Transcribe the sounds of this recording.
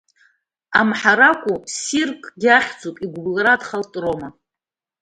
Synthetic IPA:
amħaɾakʷʼusirkʼɡʲaχʲd͡zupʼiɡʷblɾadχaltʼroma

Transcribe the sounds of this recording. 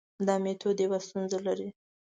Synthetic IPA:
d̪ɑmet̪ʰod̪ewast̪unzalaɾi

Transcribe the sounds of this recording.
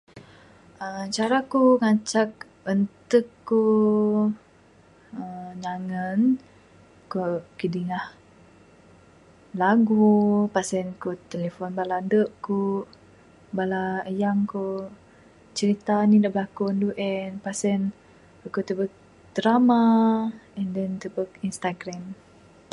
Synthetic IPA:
ət͡ʃaɾakuŋat͡ʃak̚ | ənt̪əkːu | əɲaŋən | kokidiŋah | laɡupasɛnkut̪elefɔnbalandəʔku | balaəjaŋko | t͡ʃəɾit̪anidaʔbəlakunduʔɛnpasɛn | əkot̪əbək̚ | t̪əɾama | ɛndɛnt̪ubəkinst̪aɡɾam

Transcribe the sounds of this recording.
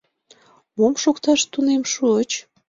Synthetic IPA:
momʃokt̪ɑʃt̪unemʃuət͡ɕ

